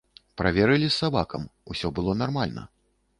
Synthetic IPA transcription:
pɾavʲɛɾɨlʲisːabakɐmusʲɔbɨlˠɔnarmalʲnɐ̰

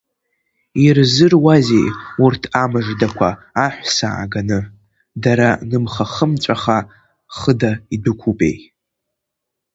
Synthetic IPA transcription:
irzɨrwazejurtʰamɨʐdakʷʰaː | ħʷsa̰ʕa̰ɡanɨ | daɾanɨmχaχəmt͡ʃʷʼaχa | χədaidɨkʷʰupʼe̞̰jʼ

